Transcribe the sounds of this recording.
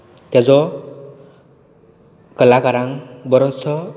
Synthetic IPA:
t̪jazɔ | kəlakaɾaŋbɔɾɔsɔ

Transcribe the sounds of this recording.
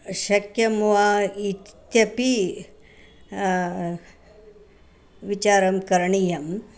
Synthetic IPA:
ʃɐkjɐmʋaitt̪jɐpi | ʋit͡ʃaːɾɐmkɐɾɐɳijɐm

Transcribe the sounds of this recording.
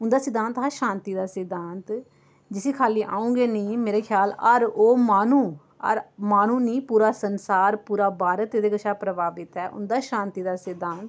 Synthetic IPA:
ʊnd̪aːsɪd̪ãːnt̪ɦaːʃãːnt̪iːd̪aːsɪd̪ãːnt̪ | d͡ʒɪsĩːkʰaːliːʔaːũːŋɡeːnĩːmeːɾeːkʰjaːləɾoːmaːnũː | ə̰ɾmaːnũːnĩːpuːɾaːsənsaːɾpuːɾaːbaːɾət̪eːd̪eːɡəʃʰaːpɾəbaːbɪt̪ɛːʔʊ̰nd̪aːʃãːnt̪iːd̪aːsɪd̪ãːnt̪

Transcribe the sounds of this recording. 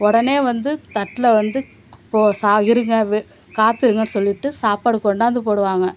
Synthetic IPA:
ɔɽɐneːʋɐnd̪ɯt̪ɐʈːɪlɐʋɐnd̪ɯ | pːoːsaːɣɪɾɯŋɡɐʋ | kaːt̪ːɪɾɯŋɡɐnːɯsɔlːɪʈːɯsaːpaːɽɯkːɔɳɖaːɐnd̪ɯpoːɽɯʋaːŋɡɐ

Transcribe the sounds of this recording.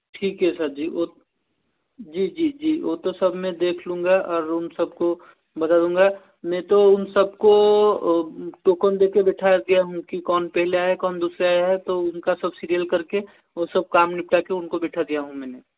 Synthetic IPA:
ʈʰiːkɦɛsɐɾd͡ʒiːoː | d͡ʒiːd͡ʒiːd͡ʒiːoːt̪osɐbʱmẽd̪eːkʰlũːŋ̆ɡaɔːɾɦʊnsɐb̚ko | bɐt̪ad̪ũːŋɡa | mɛ̃ːt̪oʊnsɐb̚ko | ʈoːkənd̪eːkebɛːʈʰaɡɐjaɦũkikɔːnpɛɦleaːɛkɔːnd̪uːsɾeaːɦɛt̪oʊnkasɐbsiːɾijəlkɐɾke | osɐb̚kaːmnɪp̚ʈakeʊnkobɛːʈʰad̪ijaɦũmɛ̃ːne

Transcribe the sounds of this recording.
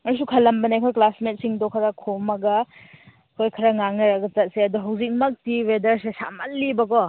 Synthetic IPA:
mɐɾs̬ukʰɐlːɐmbɐnajkʰojklasmet̚siŋdɔkʰɐɾɐkʰomɐɡɐ | kʰojkʰɐɾɐŋaŋɐɾɐɡɐt͡ʃɐt̚seɐduɦɐwzik̚mɐk̚tiwedɐɾsesa̰mɐlːibɐkɔ

